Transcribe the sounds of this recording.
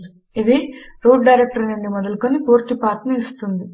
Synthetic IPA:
u | iʋ̪eɾoːɖɖɐjɾek̚ʈɐɾɐnɐɳɖimɐd̪ɐlkonipuːɾt̪ipaːt̪nɐist̪und̪i

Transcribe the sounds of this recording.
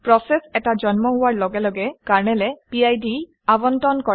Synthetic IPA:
pɹɔsɛsɛtad͡ʒɔnmɔɦʊwaɹlɔɡɛlɔɡɛkaɹnɛlɛpiajdi | abɔntɔnkɔ

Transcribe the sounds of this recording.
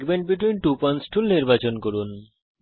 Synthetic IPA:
ɡbeɳʈ̚biʈwinʈupɔnsʈʰulniɾbat͡ɕonkoɾun

